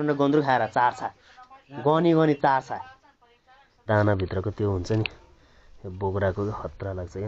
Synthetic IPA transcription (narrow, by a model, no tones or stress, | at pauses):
ʌnʌɡʌnd̪ɾukʰaeɾʌt͡sart͡sʰa | ɡʌniɡʌnit͡sart͡sʰaj | d̪anabʱit̪rʌkot̪joɦunt͡sʰʌni | boɡɾakohʌt̪ralaɡ̚t͡sʰʌk